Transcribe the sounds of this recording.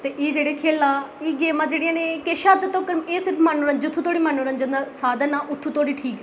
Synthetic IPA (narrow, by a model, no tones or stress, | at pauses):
t̪eːʔiːd͡ʒeːɽeːkʰeːlaːiːɡeːmãːd͡ʒeːɽɪjãːneːkeːʃaːd̪ət̪õːkəɾmeːsɪɾpʰmaːnuːɾə̃ɲd͡ʒət̪ʰːuːt̪ʰoːɽiːmaːnuːɾə̃ɲd͡ʒə̃nd̪aːsaːd̪ənaːʔʊt̪ʰːũːt̪ʰoːɽiːʈʰiːkɛ